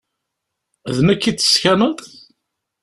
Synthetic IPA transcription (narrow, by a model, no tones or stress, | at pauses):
ðnəkːit̪ːə̥skænət̪ˤ